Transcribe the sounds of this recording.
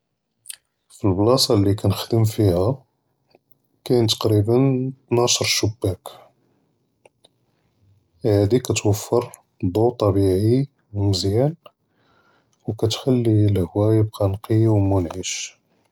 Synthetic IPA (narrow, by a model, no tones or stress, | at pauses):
filblɑsˤɑlːikænəxd̪əmfihæ | kænt̪ɑ̥qɾibənt̪nɑʃɾˤʃubːæk | hæd̪ikæt̪wəfːəɾˤ | d̪ˤot̪ˤːɑbiʕi | wməzjæn | wkæt̪xælːilhwæjb̚qænqiwmʊnʕiʃ